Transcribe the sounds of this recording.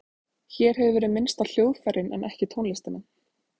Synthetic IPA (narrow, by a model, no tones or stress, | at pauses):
çɛːɾ̥ɦɛvʏvɛːɾʏmɪnst̪al̥joːwðfɛɾɪnɛ̰nʔɛhcɪt̪ʰownlɪst̪ɪnɪn